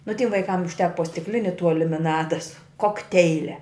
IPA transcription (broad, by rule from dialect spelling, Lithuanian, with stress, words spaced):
nʊ tʲɪm ʋɐɪˈkɐm ʊʃʲˈtʲæːkɐ poː sʲtʲɪkˈlʲɪnʲɪ tuɔ lʲɪmʲɪˈnɑːdɐ sʊ koːkˈtʲɛɪlʲɛ